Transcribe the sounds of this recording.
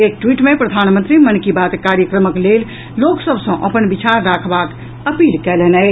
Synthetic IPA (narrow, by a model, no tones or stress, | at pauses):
ek̚ʈwiʈmẽpɾəd̪ʱanmənt̪ɾimənkibat̪kaɾjəkɾəməklel | loksəbʱsə̃ʔəpənbit͡ʃaɾːakʰbak | əpilkɛlɛnɛj